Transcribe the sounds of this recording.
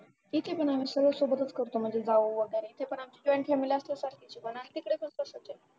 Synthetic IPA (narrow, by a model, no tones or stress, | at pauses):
t̪it̪ʰepəɳamiːsəɡɭəsobət̪ət͡skəɾt̪om̤əɳd͡zed͡zaʋoʋəɡəɾeit̪ʰepəɳamt͡ɕid͡ʑɔjɳkʰemiləst̪əsaɾkit͡ɕibənaɦit̪ikəɽekʰəsəsət͡ɕe